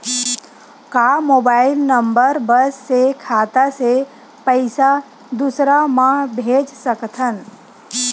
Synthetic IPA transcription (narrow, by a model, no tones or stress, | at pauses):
kaːmoːbaːɪlnəmbəɾbəssekʰaːt̪ase | pəɪsa | d̪usɾamãɦbʱeːd͡ʒsəkt̪ʰən